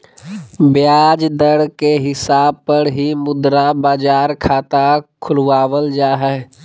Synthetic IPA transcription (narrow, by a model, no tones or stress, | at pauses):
bjaːd͡ʒd̪əɽkeɦɪsaːb̚pəɾɦimʊd̪ɾabaːd͡ʒaːɾkʰaːt̪akʰʊlʋaːʋəld͡ʒaːɦɛ